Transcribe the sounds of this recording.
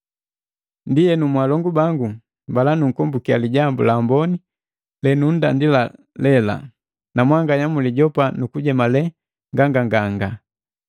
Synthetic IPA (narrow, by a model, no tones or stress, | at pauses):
ndijɛnumwalɔŋɡubaŋɡu | mbalanuŋ̩kɔmbukialiɟambṵlambɔni | lɛnun̩dandila | lɛla̰ | namwaŋɡaɲamuliɟɔpanukuɟɛmalɛ | ŋɡaŋɡaŋɡaŋɡa